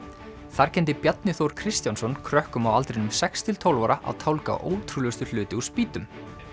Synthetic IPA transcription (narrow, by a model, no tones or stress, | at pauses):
θaɾ̥cʰɛnt̪ɪpjat̪nɪθowɾ̥kʰɾɪst̪jansɔnkʰɾœhkʏmawalt̪ɾenʏmsɛkst̪ʰɪlt̪ʰowlvaɾaʔa̰wt̪ʰowlka̰ʔo̰ːwt̪ʰɾulʏst̪ʏl̥ʏːt̪ɪuspiːt̪ʏm